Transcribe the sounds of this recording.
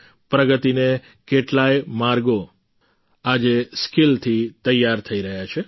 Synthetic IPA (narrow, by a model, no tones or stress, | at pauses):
pɾəɡət̪ine | keʈlajmaɾɡo | ad͡ʒeskilt̪ʰit̪əjːaɾt̪ʰəiɾəɦjat͡ʃʰe